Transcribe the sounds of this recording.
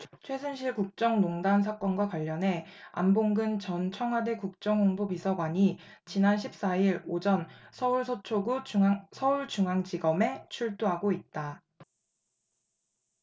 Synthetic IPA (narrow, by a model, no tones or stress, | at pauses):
t͡ɕʰwe̞sʰɯnɕʰiɭkuk̚t͡ɕ͈ʌŋnoŋdans̬ʰak͈ʌnɡwakwaʎːʌnɦe̞a̰mboŋɡɯnt͡ɕʌnt͡ɕʰʌŋɦwadekuk̚t͡ɕ͈ʌŋoŋbupisʰʌɡwaɲi | t͡ɕinanɕʰip̚s͈aiɾod͡ʑʌnsʰʌuɭsʰt͡ɕʰoɡusʰʌuɭt͡ɕuŋɦaŋd͡ʑiɡʌme̞t͡ɕʰuɭt͈uɦaɡoit̚t͈a